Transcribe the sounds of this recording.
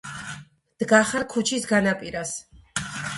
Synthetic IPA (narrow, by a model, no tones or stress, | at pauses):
d̪̥ɡaχaɾkʰut͡ʃʰisɡanapʼiɾas